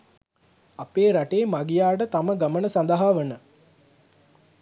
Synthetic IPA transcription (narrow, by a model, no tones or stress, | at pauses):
apeːɾaʈeːmaɡijaːʈət̪aməɡamənəsand̪əɦaːʋənə